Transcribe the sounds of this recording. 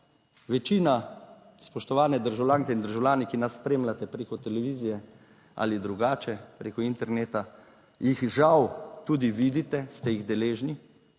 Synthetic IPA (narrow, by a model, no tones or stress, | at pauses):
ʋɛt͡ʃiːna | spɔʃt̪ɔʋaːnɛd̪əɾʒawlʲaːŋkɛind̪əɾʒawlʲaːnikinasːpɾeːmlat̪ɛpɾeːkɔt̪ɛlɛʋiːzijɛ | a̰lid̪ɾuɡaːt͡ʃɛpɾeːkuint̪ɛɾneːt̪a | jixʒawt̪uːd̪iʋid̪it̪ɛst̪ɛjiɣd̪ɛleːʒni